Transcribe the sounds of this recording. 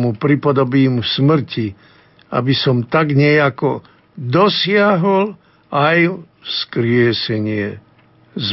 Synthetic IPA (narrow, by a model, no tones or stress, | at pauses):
mupɾipɔd̪ɔbiːmusmr̩ci | a̰bisɔmt̪aɡɲɛjakɔ | d̪ɔsɪaɦɔl | aj | skɾɪɛsɛɲɪɛ | z